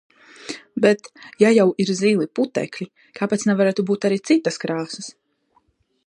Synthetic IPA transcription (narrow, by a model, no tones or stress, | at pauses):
bɛt̪jajawiɾziːlˠiput̪ɛ̰klʲi | kʰaːpɛt̪snɛvaɾaːt̪ubuːt̪aɾit̪sit̪ːaskɾaːsɐs